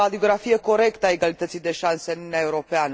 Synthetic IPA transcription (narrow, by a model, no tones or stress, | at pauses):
ad̪io̞ɡɾafijeko̞ɾe̞kt̪əae̞ɡalit̪ət̪sijd̪e̞ʃanseɨnununeae̞uɾo̞peanə